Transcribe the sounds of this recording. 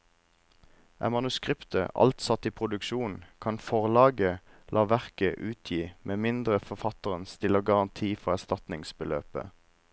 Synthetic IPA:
ʔæ̰mɑnʉskʁɪpt̪ə̰ʔɑ̰lt̪sɑt̪iːpʰʁʊd̪ʉkʃuːn̩kʰɑnfɔʁlɑːɡəlʔɑːʋæʁkəʔʉːt̪ʰjiːmʔeːmɪnd̪ʁəfɔfɑt̪əʁənst̪ʰɪloːɡɑʁɑnt̪ʰiːfɔʁæst̪ɑt̪nɪŋsbəlø̰ːpə̰

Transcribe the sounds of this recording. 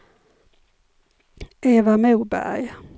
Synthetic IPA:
eːvamʉːbæ̰ɾj

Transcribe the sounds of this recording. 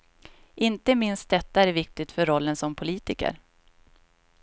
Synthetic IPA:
ʔɪnt̪əmɪnst̪̚d̪ɛt̪ːaæɾvɪk̚t̪ɪt̪fœɾɔlːənsɔmpʰʊliːt̪ɪkə̰ɾ

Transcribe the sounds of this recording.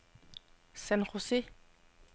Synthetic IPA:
sɛnʁose

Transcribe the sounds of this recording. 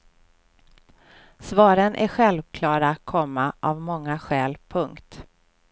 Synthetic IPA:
svɑːɾənʔæ̰ɾɧɛlvkʰlɑːɾakʰɔmːaʔavmɔŋːaɧɛːlpʰɵŋkt̪

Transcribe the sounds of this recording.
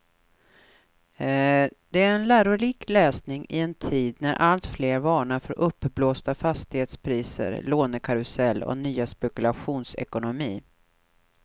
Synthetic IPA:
d̪̥ɛæɾɛnlæːɾʊɾiːklɛːsnɪŋʔɪ̰ɛnt̪ʰiːd̪næɾʔalt̪fleːɾvɑːɳaɾfœɾʔɵpːbloːst̪afast̪ɪheːt̪spʰɾiːsə̰ɾloːnəkʰaɾɵsɛlːɔ̰nyːaspɛkɵlaɧuːnsɛ̰kʊnʊmiː

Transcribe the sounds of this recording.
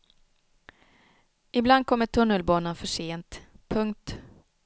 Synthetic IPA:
ʔɪbland̪̚kʰɔmːəʈʰɵnːəlbɑːnanfœʂeːnt̪pʰɵŋk̚t̪

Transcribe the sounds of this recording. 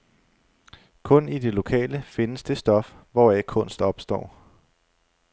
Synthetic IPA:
kʰɔ̽nid̥e̝lo̝kʰɛ̰ːləfe̝nəsd̥e̝sd̥ɒ̽f | ʋɒækʰɔ̽n̰sd̥ɒ̽b̥sd̥ɒ̰ː

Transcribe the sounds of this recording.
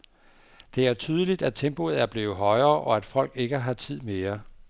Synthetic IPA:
d̥e̝æɐt͡sʰyːð̞ˠəlid̥æd̥̚t͡sʰemb̥o̝ð̩ˠæɐb̥le̝ːʊð̩ˠɦɒ̽ɪɐːʔɒ̽æd̥fɒ̽l̰ɡ̥e̝ɡ̥əɦɑ̈t͡sʰið̞̰ˠme̝ːɐ

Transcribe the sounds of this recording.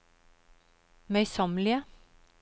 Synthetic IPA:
mœʏsɑmlɪə

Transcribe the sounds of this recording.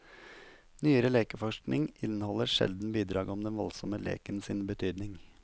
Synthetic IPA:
nyːəɾəleːkəfɔʃknɪŋʔɪnhɔləɾʃɛ̰ld̪n̩biːd̪ɾɑːɡɔmd̪ɛnʋɔlsɔməlḛːkənsɪnbət̪ʰyːd̪nɪŋ

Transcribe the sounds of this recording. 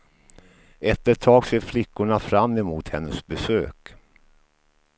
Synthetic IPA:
ɛt̪ːəʈ̪ʰɑːɡseːɾflɪkːʊɳafɾamːɛmuːt̪hɛnːəsbɛsø̰ːk

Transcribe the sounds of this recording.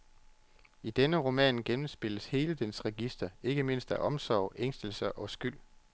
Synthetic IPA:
id̥enəʁo̝mɛ̰ːnɡ̥emm̩sb̥e̝l̰əshe̝ːləd̥ensʁɛɡ̥isd̥ɐe̝ɡ̥əme̝n̰sd̥æʔɒ̽msɒʊ̰ʔeŋ̰sd̥əl̩sɐʔɒ̽sɡ̥yl̰

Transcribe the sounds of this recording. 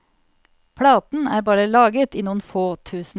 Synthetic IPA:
pʰɽɑːt̪n̩æːɾbɑːɾəlɑːɡət̪iːnuːn̩foːt̪ʰʉːsn̩

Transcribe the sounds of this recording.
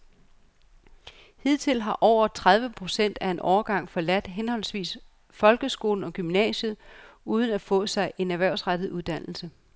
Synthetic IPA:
hið̰ˠt͡sʰe̝lɦɑ̈ʔɒʊ̰ɐt͡sʰʁaðˠʋəpʰʁo̝sen̰d̥æe̝nʔɒʊːɐɡ̥ɑ̈ŋ̰fɒ̽læd̥ɦenhɒ̽l̰sʋḭːs | fɒ̽lɡ̥əsɡ̥o̝ːln̩ɒ̽ɡ̥ymnɛ̰ːɕəð̩ˠuːð̞ˠn̩æfɔ̰̽ːsɑ̈ɪʔe̝næɐʋæɐʊ̰sʁad̥ð̞̩ˠuðˠd̥æn̰l̩sə

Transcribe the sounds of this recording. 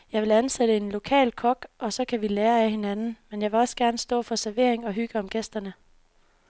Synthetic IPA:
jɑ̈ɪʋe̝lænsed̥əe̝nlo̝kʰɛ̰ːlkʰɒ̽ɡ̥ʔɒ̽sɒ̽kʰæʋileːɐæhe̝nænn̩menjɑ̈ʋe̝lɒ̽sɡ̥æɐnəsd̥ɔ̰̽ːfɒ̽sæɐʋe̝ɐ̰eŋɒ̽ɦyɡ̥əɒ̽mɡ̥esd̥ɐnə

